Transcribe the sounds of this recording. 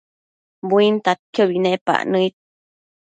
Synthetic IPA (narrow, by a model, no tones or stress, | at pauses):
buint̪at̪̚kʰjəbinepa̰ʔnəit̪̚